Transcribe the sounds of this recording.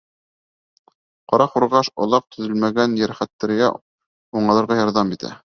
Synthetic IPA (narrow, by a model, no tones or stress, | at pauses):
qɑɾɑχuɾʁɑʃŏ̰lˠɑq̚t̪ʰɵ̆ðɵlmæɡænjæɾχæt̪ːæɾɡæ̰ | uɴɑ̆lˠɤɾʁɑjɑɾðɑmit̪ʰæ̰